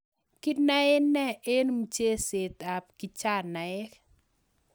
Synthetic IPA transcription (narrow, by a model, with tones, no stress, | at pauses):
ki˦na˦e˦nɛ˦e˦nmu˨t͡ʃe˦se˨t̪a˨p̚ki˨t͡ʃa˦˨na˨e˦k